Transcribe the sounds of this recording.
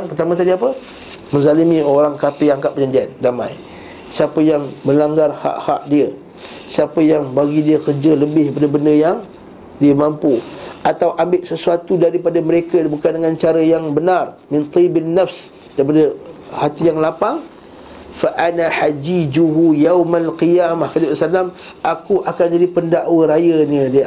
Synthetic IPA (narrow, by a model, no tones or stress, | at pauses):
ŋpərt̪amat̪̬adiapə | mə̃nzalimĩoɾaŋkapiaŋkaʔ̚pəd͡ʒandiandamã̰j | siapəjaŋməlaŋɡarha̰ʔha̰ʔdiə | siapəjaŋbaɡidiəkərd͡ʒələbɪhpadabəndəjaŋ | diəmampuʔat̪awʔambɪʔsəsuat̪udaɾipadaməɾekabukandəŋãnt͡ʃaɾəjaŋbənarmɪ̃nt̪ˤibanːafs | daɾipadəhat̪ijaŋlapaŋ | faʔanahad͡ʒid͡ʒuɦujawmalqijaːmahfad̪iasalamʔakuʔakand͡ʒadipəndaʔwəɾajəniədi